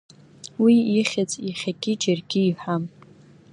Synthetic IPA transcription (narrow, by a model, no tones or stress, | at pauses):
wiiχʲat͡sʼiχʲaɡʲɪd͡ʒɪrɡʲiːħam